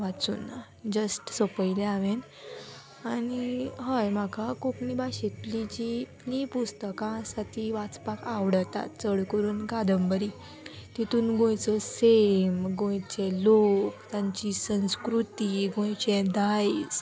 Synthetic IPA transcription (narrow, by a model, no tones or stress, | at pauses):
ʋat͡sṵna | d͡ʑəsʈsopəjleaʋen | aniɦəjmakʰakoknibaɕit̪lid͡ʑi | lipust̪əkãsat̪ʰiʋat͡spakaʋɽət̪a̰t̪̚t͡səɽkəɾuːnɡad̪əmbəɾi | t̪it̪uːnɡõjt͡sɔsemɡõjt͡ɕelokt̪ãɲt͡ɕisə̃w̃skɾut̪iɡõjt͡ɕɛ̃d̪ajs